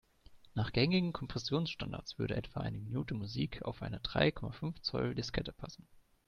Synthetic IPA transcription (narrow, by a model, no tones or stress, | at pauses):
naːχɡ̥ɛŋɪɡŋ̩kʰɔmpʁ̥ɛsjoːnsʃtanda̰ɐt͡sv̥ʏɐɾə̰ʔɛtv̥aʔa̰ɪnəminuːtəmuziːkʰa̰ʊfʔaɪnədʁa̰ɪkʰɔmafʏnft͡sɔ̰ldɪskʰɛtəpʰasn̩